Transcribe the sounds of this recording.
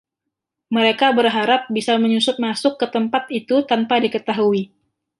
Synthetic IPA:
məɾekabərɦaɾap̚bisaməɲusʊt̪̚masʊkːət̪əmpat̪̚it̪ut̪anpadikət̪aɦui

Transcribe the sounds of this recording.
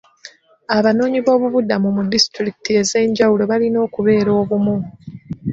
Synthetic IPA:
aβano̞ːɲiβo̞ːβuβudamumudisi̥tɾiki̥tie̞ze̞ːɲɟawulo̞βalino̞ːkuβe̞ːɾo̞ːβumu

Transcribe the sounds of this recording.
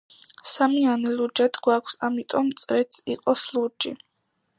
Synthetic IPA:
samianɛlud͡ʒad̪ʰɡwakʷʰsamit̪ʼɔmt̪sʼɾɛt̪siqʼɔsluɾd͡ʒi

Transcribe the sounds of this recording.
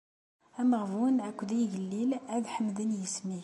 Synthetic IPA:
æməʁvunʕækʷːd̪æjʝəlːilæd̪ħəmd̪ənjəsmi

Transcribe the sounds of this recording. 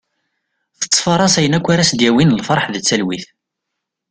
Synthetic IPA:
θə̥t͡sːfɑɾˤɑsæjənækʷːaɾæsd̪jæwinəlfɑɾˤħðt͡sːælwiθ

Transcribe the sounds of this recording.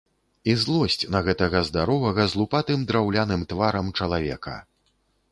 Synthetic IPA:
izlˠɔsʲt͡sʲnɐɣɛt̪ɐɣɐzd̪aɾɔvɐɣɐzlˠupat̪ɨmd̪ɾawlʲanɨmt̪vaɾɐmt͡ʂɐlˠavʲɛ̰kɐ̰

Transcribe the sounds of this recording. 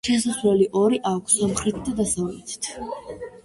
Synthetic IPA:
ʃɛsaslɛliʔɔɾiʔakʷʰsɔmχɾit̪̚ʰd̪ad̪asavlɛ̰t̪ʰt̪ʰ

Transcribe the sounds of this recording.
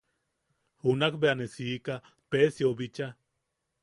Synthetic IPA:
hunakbeanesiːka | pesiobit͡ʃa

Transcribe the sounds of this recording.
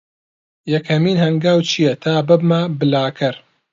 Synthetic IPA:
jɐkʰhɐmiːnhɐŋɡaːwt͡ʃʰijɐt̪ʰaːbɨb̚mabɨlaːkʰɐɾ

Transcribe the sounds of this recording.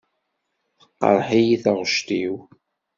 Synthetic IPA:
θə̥qːə̰ɾˤħijiθəʁʃt̪iw

